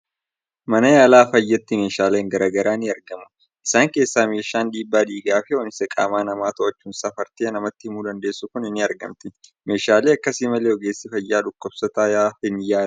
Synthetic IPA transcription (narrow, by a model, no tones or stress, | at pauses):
mɐnɐjaːlaːfɐjːɐt̪ːɪme̞ːʃaːleːŋɡɐɾaːɡɐɾaːnɪɐɾɡɐmʊ̥ | ʔɪsaːŋke̞ːsːaːme̞ːʃaːnᶑiːbːaːd̪iːɡaːfɛwɔnɪsɛkʼa̰ːmaːnɐmaːt̪ɔʔɐt͡ʃːuːnsɐfɐɾt̪eːnɐmɐt̪ːɪhɪmuːd̪ɐnd̪e̞ːsːʊkʊnɪnːɪɐɾɡɐ̰mt̪ɪ | me̞ːʃaːleːɐkːɐsimɐleːɔɡe̞ːsːɪfɐjːaːᶑʊkːɔbsɐt̪aːjaːhɪnjaːl